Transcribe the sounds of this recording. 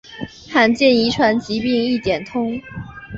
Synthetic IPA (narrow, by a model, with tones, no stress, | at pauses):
xʰa˥˩nt͡ɕjɛ˥˩ni˧˥ʈ͡ʂʰwa˧˥nt͡ɕi˧˥pi˥˧ŋi˥˩t̪jɛ˨˩nt̪ʰʊ˥ŋ